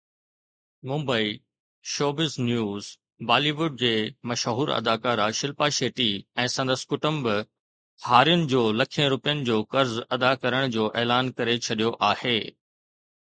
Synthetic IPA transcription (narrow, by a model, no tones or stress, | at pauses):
mũːmbəi | ʃoːbɪznjuːz | baːliʋʊɖ̚d͡ʑeːmɐʃɦuːɾɐ̰d̪aːkaːɾaʃɪlpaʃeːʈiɛ̃ːsɐ̃nd̪əsɪ̥kʊʈə̃mbɪ | haːɾijʊnɪ̆d͡ʑoːlɐkʰijə̃ɾʊpijənɪ̆d͡ʑoːkɐɾzɐd̪akɐɾəɽ̃d͡ʑoːʔɛːlaːnkɐɾet͡ɕʰɐɗijoʔaːheː